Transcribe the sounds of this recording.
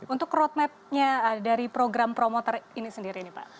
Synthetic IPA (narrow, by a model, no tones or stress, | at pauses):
unt̪ʊkrɔt̪̚mɛp̪̚ɲadaɾipɾoɡɾampɾomot̪ɔrinisəndiɾinipa̰ʔ